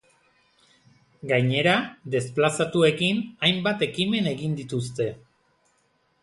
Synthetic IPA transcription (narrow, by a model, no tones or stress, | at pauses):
ɡajɲe̞ɾad̪e̞splasat̪ue̞kinajmbat̪e̞kime̞ne̞ɣind̪it̪ust̪e̞